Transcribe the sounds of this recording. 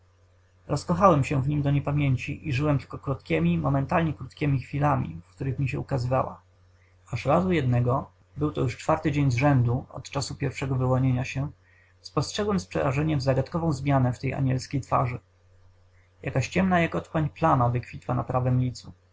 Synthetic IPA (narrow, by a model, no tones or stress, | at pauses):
ɾɔskɔxawɛmɕɛvɲimd̪ɔɲɛpamʲjeɲt͡ɕiʔiʐɘwɛmt̪ɘ̥lkɔkɾut̪kʲɛmʲimɔmɛnt̪alɲɛkɾut̪kʲɛmʲixfʲilamʲḭfkt̪uɾɘxmʲiɕɛukazɘva̰wa̰ | aʂɾazujɛd̪nɛɡɔ | bɘwt̪ɔjuʂt͡ʂfaɾt̪ɘd͡ʑeɲzʐɛnd̪uɔ̰t̪t͡ʂasupʲjɛɾfʂɛɡɔvɘwɔɲeɲaɕɛ | spɔstʂɛɡwɛmspʂɛ̰ɾaʐɛɲɛmvzaɡat̪kɔvɔ̃w̃zmʲjanɛft̪ɛja̰ɲɛlskʲejt̪fa̰ʐɘ | jakaɕt͡ɕɛmnajakɔt̪kwaɲplanavɘkfʲit̪wana̰pɾavɛmlʲit̪su